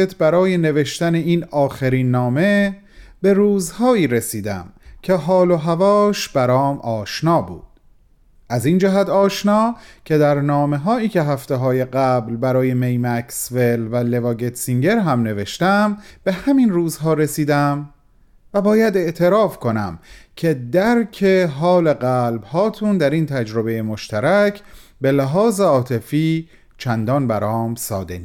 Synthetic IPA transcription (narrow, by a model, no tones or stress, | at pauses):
et̪ʰbæɾɒːje̞ne̞ve̞ʃt̪æne̞iːnɒːxeɾiːnːɒːme̞ | b̥e̞ɾuːzhɒːiːɾesiːd̪æ̰mcʰe̞ɦɒːloɦævɒːʃb̥æɾɒːmʔɒːʃnɒːbṵːd̪̥ | ʔæzind͡ʒæɦæt̪ʰɒːʃnɒːcʰe̞d̪æɾnɒːme̞ɦɒːiːcʰe̞ɦæft̪eɦɒːje̞ɢæblbæɾɒːje̞me̞jmæksve̞lvæle̞vɒːɡet̪ʰsiŋɟe̞ɾɦæmne̞ve̞ʃt̪æmb̥e̞hæminruːzɦɒːɾe̞siːd̪æm | væbɒːjæd̪e̞ʔt̪ʰe̞ɾɒːfkʰo̞næ̰mcʰe̞d̪æɾcʰeɦɒːle̞ɢælbhɒːt̪ʰund̪æɾint̪ʰæd͡ʒɾo̞be̞jemo̞ʃt̪æɾæcʰbe̞læɦɒːzeɒːt̪ʰe̞fiː | t͡ʃʰænd̪ɒːnbæɾɒːmsɒ̰ːd̪ḛ